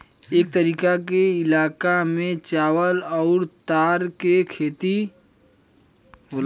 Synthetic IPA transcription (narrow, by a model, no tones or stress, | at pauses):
eːk̚t̪əɾiːkakeɪlaːkamẽt͡ʃaːwəlɔːɾt̪aːɾkekʰeːt̪i | ɦol